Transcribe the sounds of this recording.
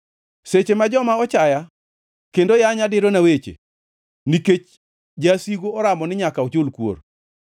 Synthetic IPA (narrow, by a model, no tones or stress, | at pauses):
set͡ʃemad͡ʒɔmaɔt͡ʃaja | kendojaɲadɪɾonawet͡ʃḛ | niket͡ʃ | d͡ʒasiɡoːɾamɔnɪɲakaɔt͡ʃʊlkwo̰r